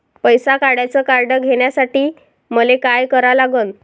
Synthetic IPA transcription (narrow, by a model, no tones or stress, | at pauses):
pəjsakaɽjat͡səkaɾɖəɡʱeɳjasaʈiː | məlekajkəɾalaɡən